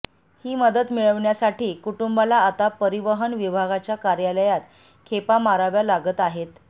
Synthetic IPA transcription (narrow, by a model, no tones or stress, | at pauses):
hiːməd̪ət̪miɭəʋɳjasaʈiːkuʈumbalaːt̪apəɾiʋəɦənʋibʱaɡat͡ɕjakaɾjaləjat̪ | kʰepamaɾaʋjalaɡət̪aɦet̪